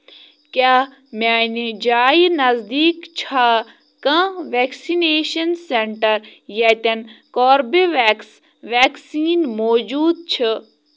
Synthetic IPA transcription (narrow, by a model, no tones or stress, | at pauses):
kʲaː | maːnid͡ʒaːjnɐzd̪iːkt͡ʃʰaː | kɐ̃ʋeːksineːʃɐnseɳʈɐɾjet̪ɐnkoːɾbiʋeks | ʋeːksiːnmoːd͡ʒuːd̪̚t͡ʃʰɪ